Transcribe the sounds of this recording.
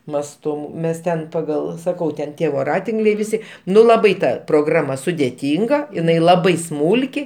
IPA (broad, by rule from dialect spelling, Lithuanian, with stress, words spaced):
mɐsˈtʊ ˈmʲɛs ˈtʲɛn pɐˈɡɐlˠ sɐˈkɐʊ tʲɛn ˈtʲiɛ ʋoːˈrɑːtʲɪŋklʲɛɪ ʋʲɪˈsʲɪ ˈnʊ lˠɐˈbɐɪ ˈtɐ proːˈɡrɑːmɐ sʊdʲɛˈtʲiːŋɡɐ ɪˈnɐɪ lˠɐˈbɐɪ ˈsmuːlʲkʲɪ